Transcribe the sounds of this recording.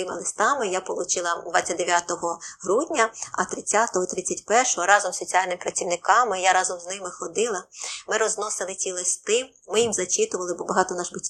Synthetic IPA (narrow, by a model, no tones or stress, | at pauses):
ɪmɪlˠɪst̪ɑmɪjapɔlˠʊt͡ʃɪlˠɐd̪ʋɑt͡sʲːɐt̚ʲd̪eʋʲjat̪ɔɦɔɦɾudʲnʲɐɐt̪ɾɪt͡sʲːat̪ɔɦɔt̪ɾɪt͡sʲːɐtʲpɛrʃɔɦɔɾɑzɔmssot͡sʲiɑlʲnɪmɪpɾɐt͡sʲiwnɪkɑmɪjaɾɑzɔmznɪmɪxɔd̪ɪlˠɐmɪɾɔznɔsɪlˠɪt͡sʲilˠɪst̪ɪ | mɪjimzɐt͡ʃɪt̪ʊʋɐlˠɪbɔbɐɦɑt̪ɔnɑʒbɪtʲ